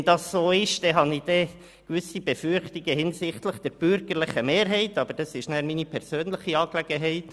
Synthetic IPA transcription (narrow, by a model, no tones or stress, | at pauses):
nd̥ɑsːoːɪʃd̥ɛɦɑnɪd̥ɛ | kʋʏsibɛfʏɾχtiɡəhɪnsɪχtləχd̥ɛɾb̥ʏɾɡ̥əɾlɪχəmeːɾɦɛɪtɑbəɾd̥ɑsɪʃnæːɾminipʰɛɾsøːnləχiɑːklɛɡəɦɛɪt